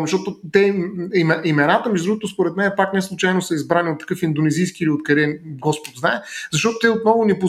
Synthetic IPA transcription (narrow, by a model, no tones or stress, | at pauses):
mʃt̪ɔt̪ʊt̪ɛimɛimɛnat̪əmɛʒd̪ɾuɡot̪ʊspoɾɛt̪mɛnɛpaknɛslˠut͡ʃajnosəizbɾaniot̪ːɐ̥kɤfind̪onɛzijskiiliot̪kɐɾɛɡɔspot̪znaɛzɐʃt̪ɔt̪ʊt̪ɛot̪̚nɔvʊnɛpo